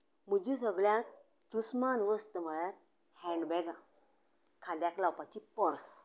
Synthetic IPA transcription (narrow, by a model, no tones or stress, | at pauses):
m̤əd͡ʑis̬əɡɭjã | d̪usmanʋəst̪əm̤əɭjat | hɛɳɖbɛɡa | kʰãd̪jaklawpat͡ɕipəɾs